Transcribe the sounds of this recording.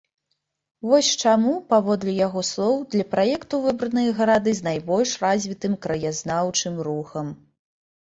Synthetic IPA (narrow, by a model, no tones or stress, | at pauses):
vɔsʲt͡ʂamupavɔd̪lʲɛjaɣɔslˠɔwd̪lʲɐpɾajɛkt̪uvɨbɾɐnɨjɐɣɐɾad̪ɨznajbɔlʲʂrazʲvʲit̪ɨmkɾɐjaznawt͡ʂɨmruxɐm